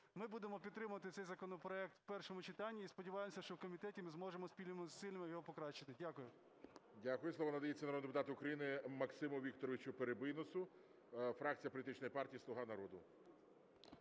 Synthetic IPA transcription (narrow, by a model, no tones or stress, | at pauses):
mɪbud̪emɔpʲid̪̚t̪ːɾɪmʊʋɐt̪ɪsɛjzɐkɔnɔpɾɔɛk̚t̪wpɛrʃɔmʊt͡ʃɪt̪ɑnʲːiːspɔdʲiʋɑjɪemɔsʲɐʃt͡ʃɔwkɔmʲit̪ɛtʲimɪzmɔʒemɔspʲilʲnmsɪlʲnɪmɪjɔɦɔpɔkɾɑt͡ʃɪt̪ɪdʲakʊjʊ | dʲakʊjʊsˠɔʋanɐd̪ɐjet͡sʲːɐnɐɾɔd̪d̪epʊt̪ɑt̪ɪʊkɾɐjinɪmɐksɪmʊʋʲik̚t̪ɔɾɔʋʲɪt͡ʃʊpeɾebɪjnɔsʊ | fɾɑk̚t͡sʲijɐpɔlʲt̪ɪt͡ʃnɔjipɑrtʲijislˠʊɦɑnɐɾɔd̪ʊ